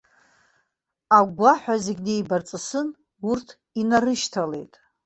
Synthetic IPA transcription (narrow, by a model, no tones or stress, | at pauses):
aɡʷaħʷᶣazeɡʲne̞jbart͡sʼɨsɨn | urtʰ | inarɨʃtʰale̞̰jtʼ